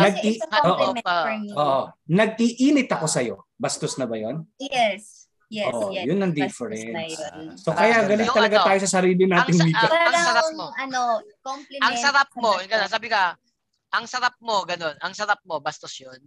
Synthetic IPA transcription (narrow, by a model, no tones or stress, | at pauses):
nɐɡ̚iɐʔoːʔ | oːʔonɐɡ̚ʔiʔiːnɪt̪ɐko̞sɐjo̞̰bɐst̪osnɐbɐjonjɛs | joʔjʊnːɐŋd̪ɪfɛɾɛnsːokɐjaɡɐlɪnt̪ɐlɐɡat̪aːjosɐsɐɾiːlɪnaːt̪ɪŋmiːkɐɐɐɾaoɐnokomlɪɐŋsɐɾap̚moɡɐnonsaːbɪka | ʔɐŋsɐɾap̚mo̞ɡɐnonɐŋsɐɾap̚mobɐst̪osjon